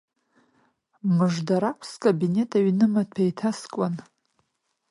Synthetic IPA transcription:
mɨʐdaɾakʷʰskʼabine̞tʼaɥnɨmapʰajtʰaskʼan

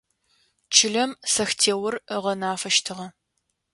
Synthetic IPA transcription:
t͡ʃʰɪɮɐmsɐxtʰeːwʊrəʁɐnaːfɐʃtʰɨʁɐ

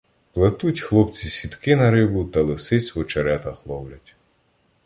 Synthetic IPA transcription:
plˠɐt̪utʲxlˠɔpt͡sʲisʲit̪kɪnɐɾɪbʊt̪ɐlˠɪsɪt͡sʲʋɔt͡ʃɐɾɛt̪ɐxlˠɔwlʲɐtʲ

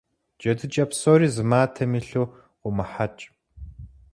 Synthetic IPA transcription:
d͡ʒɐdɨt͡ʃʼɐpsoːɾiːzɨmaːtʰɐmiːɬuː | qʷʊmɨħat͡ʃʼ

